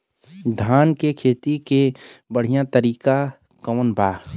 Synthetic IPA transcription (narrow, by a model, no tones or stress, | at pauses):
d̪ʱaːnkekʰeːt̪ikebəɽ̤ijãt̪əɾiːka | kəʋnbʱaː